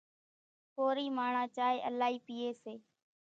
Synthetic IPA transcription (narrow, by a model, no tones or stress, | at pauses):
poːɾiːmaːɳãːt͡ʃaːɦeːʔəlaːɦiːpiːeːseː